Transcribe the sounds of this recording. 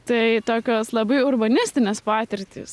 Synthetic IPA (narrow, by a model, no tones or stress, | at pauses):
t̪ɐɪt̪oːkʲoːslˠɐbɐɪʊrbɐnʲɪsʲt̪ʲɪnʲɛspɑːt̪ʲɪɾʲt̪ʲḭːs